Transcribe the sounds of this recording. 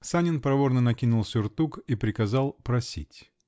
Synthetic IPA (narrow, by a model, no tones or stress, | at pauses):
sanʲɪnpɾɐvornənɐkʲinʊlˠsʲʊrt̪ukipɾʲɪkɐzɑlˠpɾɐsʲḭtʲ